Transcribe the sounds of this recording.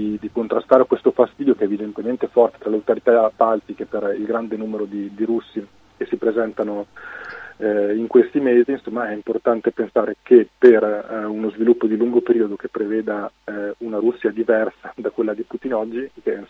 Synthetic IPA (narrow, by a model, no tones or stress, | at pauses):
id̪ikont̪ɾast̪aːɾekwest̪ofast̪iːd̪jokeɛːvid̪ent̪ement̪efɔrt̪e̥t̪ɾaleawt̪oɾit̪apːalt̪ikeperilɡɾand̪enuːmeɾod̪id̪iɾusːi | kesipɾezɛnt̪ano | iŋkwest̪imeːziːnsomːaɛimport̪ant̪epensaːɾekeperunozvilupːod̪iluŋɡopeɾiːod̪okepːɾeveːd̪a | unaɾusːiad̪ivɛrsad̪akwelːad̪iput̪inɔd͡ʒːiken